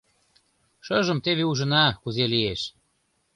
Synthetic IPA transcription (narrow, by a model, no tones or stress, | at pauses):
ʃɤʒə̆mt̪eβeuʒə̆nɑkuzelieʃ